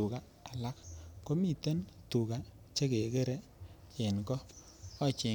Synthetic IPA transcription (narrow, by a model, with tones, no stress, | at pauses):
u˨ka˨ | a˨la˦kːo˦mi˦˨te˦ntu˨ka˨ | t͡ʃe˦ke˨ke˦ɾe˦ | t͡ʃe˨nkɔː˦ | t͡ʃɪ˨